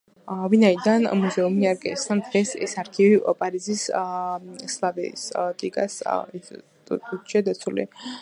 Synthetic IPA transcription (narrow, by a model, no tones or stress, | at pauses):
vinaid̪anmuzɛumiaɾɡʼɛ̰st̪ʰand̪̥ʁɛsɛ̰saɾkʰivipʼaɾizis | slˠavɛ̰st̪ʼiɡa̰s | ut͡ʃʰɛd̪at̪sʰulḭ